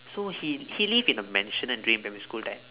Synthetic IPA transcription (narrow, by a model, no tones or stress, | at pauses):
sohihilivĩnəmɛ̃nʃə̃nɛ̃ndɹĩmpɛ̃miskultãɪ̃m